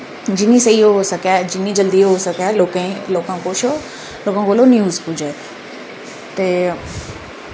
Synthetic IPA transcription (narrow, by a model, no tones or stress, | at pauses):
d͡ʑinĩsɐioɦosɐkad͡ʑinid͡ʑɐld̪iɦosɐkaloːkẽloːkãkoʃo | loːkãkoːlonjuːzpʊd͡ʑe | t̪ɐ